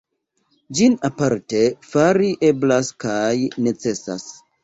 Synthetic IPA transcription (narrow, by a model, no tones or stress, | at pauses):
d͡ʒinapaɾte̞faɾiʔe̞blaskajne̞t͡se̞sa̰s